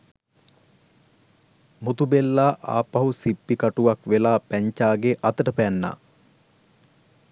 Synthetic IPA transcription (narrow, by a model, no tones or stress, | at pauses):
mut̪ubelːaːʔa̰ːpɐɦusipːikaʈuʋakʋelaːpæɲt͡ʃaːɡeʔɐt̪əʈəpænːa̰ː